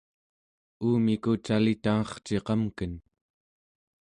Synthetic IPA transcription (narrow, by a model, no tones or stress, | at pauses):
uːmikut͡ʃalit̪aŋɑχt͡ʃe̞qɑmkən